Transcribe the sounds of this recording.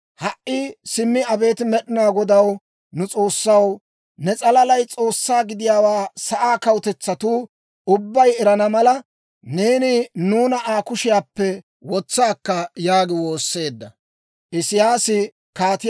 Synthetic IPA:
hɐʔʔɪsɪmːɪɐbe̞ːt̪ɪmɛɗɪnaːɡɔd̪ɐw | nʊt͡sʼo̞ːsːɐw | nɛt͡sʼɐlɐlɐjt͡sʼo̞ːsːaːɡɪd̪ɪjaːwaːsɐʔaːkɐwt̪ɛt͡sːɐt̪uː | ʊbːɐjɛɾɐnɐmɐlɐ | ne̞ːnɪnuːnɐʔaːkʊʃɪjaːpːɛ | wɔt͡sːaːkːɐjaːɡɪwo̞ːsːe̞ːd̪ːɐ | ʔɪsɪjaːsɪ | kaːt̪ɪ

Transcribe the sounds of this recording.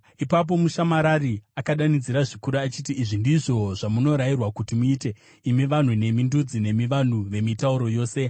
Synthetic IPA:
ipap̬o̞muʃamaɾariakaɗanid͡ziɾaʐikuɾuat͡ʃitiːʐindiʐo̞ʐamuno̞ɾairwakutimuiːte̞ | imiʋan̤une̞mindud͡zine̞miʋan̤uʋe̞mitauɾo̞jo̞ːse̞

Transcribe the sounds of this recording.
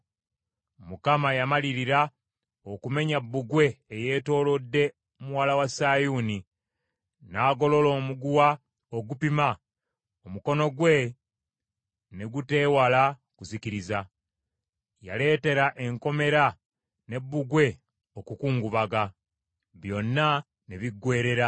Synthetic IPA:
mukamajamaliɾiɾa | okume̞ɲabːuɡwe̞ːje̞ːto̞ːlo̞dːe̞ | muwalawasajuːni | naːɡo̞lo̞lo̞ːmuɡuwa | oɡupima | omuko̞no̞ɡwe̞ | ne̞ɡute̞ːwala | kuziciɾiza | ja̰le̞ːte̞ɾaʔe̞ŋko̞me̞ɾa | ne̞bːuɡwe̞ | o̞kukuːŋɡuβaɡa | βjo̞nːa | neβiɡwe̞ːɾe̞ɾa

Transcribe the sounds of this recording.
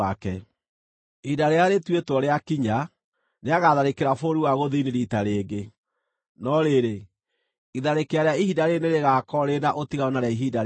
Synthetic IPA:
akɛ | idaɾeaɾetwetwɔɾeakiɲa | neaɣaðaɾekeɾafoɾuwaɣoðiniɾitaɾeːɡe | nɔɾeɾe | iðaɾekeaɾeaihidaɾeneɾeɣakɔɾenaʔotiɣaonaɾaiɦiːdaɾ

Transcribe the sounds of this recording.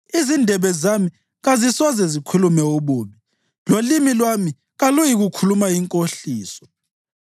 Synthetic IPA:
izindʱɛβɛzami | ɣazisɔzɛzikʰulumɛuβuːmi | lolimilwami | ɣalujiɣukʰulumajiŋkʼoɬiːsɔ̥

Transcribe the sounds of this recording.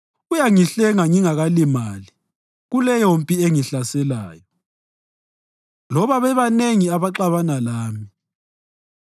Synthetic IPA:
ɣujaŋiɬɛŋaŋiŋaɣalimaːli | ɣulɛjompʼieŋiɬasɛla̰ːjɔ | lɔβaβɛβaneŋiaβaǃaβanalaːmi

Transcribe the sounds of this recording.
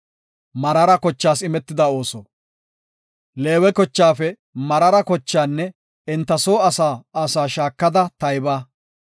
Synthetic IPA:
mɐɾɐɾɐkɔt͡ʃːaːsɪmɛt̪ːɪd̪ɐo̞ːsɔ | le̞ːwɛkɔt͡ʃːaːfɛ | mɐɾɐɾɐkɔt͡ʃːaːnːɛ | ɪnt̪ːɐsoːɐsaːsaːʃaːkːɐd̪ɐt̪ɐjbaː

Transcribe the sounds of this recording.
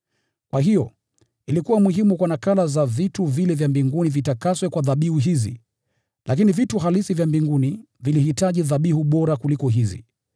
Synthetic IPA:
kwaɦijɔ | ilikuwamuhimukwanakalazavituvilɛvjambiŋɡunivitakaswɛkwaðaɓihuɦizḭ | lʔak̬inivituhalisivjambiŋɡuni | vilihitaʄiðaɓihuɓɔɾakulikɔɦizḭ

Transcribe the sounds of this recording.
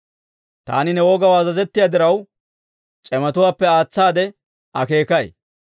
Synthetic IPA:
t̪a̰ːnɪnɛwoːɡɐwaːzɐzɛt̪ːɪjaːd̪ɪɾɐw | t͡ʃʼɛmɐt̪ʊwaːpːɛaːt͡sːaːd̪ɛ | ɐke̞ːkɐj

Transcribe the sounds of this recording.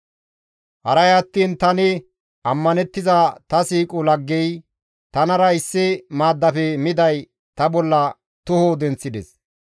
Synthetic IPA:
hɐɾɐjɐt̪ːiːnt̪ɐnɪ | ɐmːɐnɛt̪ːɪzat̪ɐsiːkʼʊlɐɡːɛj | t̪ɐnɐɾɐɪsːɪmaːd̪ːɐfɛmɪd̪ɐj | t̪ɐbɔlːɐ | t̪ʊhod̪ɛnt͡sːɪd̪ɛs

